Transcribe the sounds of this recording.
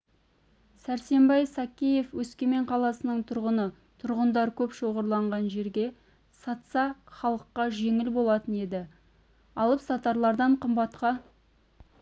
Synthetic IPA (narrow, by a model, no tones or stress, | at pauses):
sæɾse̞mbɑjsɑkʲije̞fwɵskʲe̞me̞ɴqʰɑlˠɑsənəɴt̪ʰʊɾʁənə | t̪ʰʊɾʁənd̪ɑɾkʲʰɵpʃo̞ʁəɾlˠɑɴʁɑnʒe̞ɾɡʲe̞ | sɑt̪sɑχɑlˠəqːɑʒe̞ŋɪlbo̞lˠɑt̪əne̞d̪ɪ | ɑlˠəpsɑt̪ɑɾlˠɑɾd̪ɑɴqʰəmbɑt̪qɑ